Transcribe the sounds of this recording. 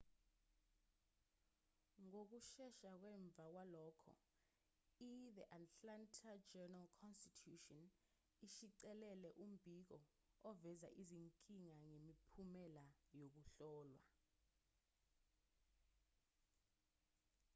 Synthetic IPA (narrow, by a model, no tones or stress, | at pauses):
ŋok̬uʃɛʃak̬wɛɱb̪vʱak̬walɔːkʰɔ̰ | iðɛʔatʼlantʰad͡ʒɛnalkʰɔnstitʰuʃɔn | iʃiǀɛlɛlɛʔum̩bʱik̬ɔ | ɔvɛza̰ʔiziŋkʼiŋaŋemipʰumɛlajok̬uɬɔːlwa̰